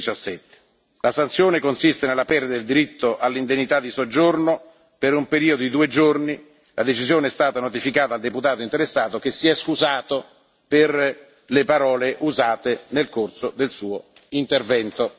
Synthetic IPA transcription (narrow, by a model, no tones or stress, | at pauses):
t͡ʃasːɛt̪ːe̥ | lasant̪sːjoːnekonsist̪enelːapɛrd̪ad̪eld̪iɾit̪ːoʔalːind̪enːit̪ad̪ːisod͡ʒːorno | peɾumpeɾiːod̪od̪id̪uːed͡ʒorni | lʔad̪et͡ʃizjoːneɛst̪aːt̪anot̪ifikaːt̪ald̪eput̪aːt̪oint̪eɾesːaːt̪ok̟esːiɛskuzaːt̪o | per | lepaɾɔːleʔuzaːt̪enelkorsod̪elsuːoint̪ervɛnt̪o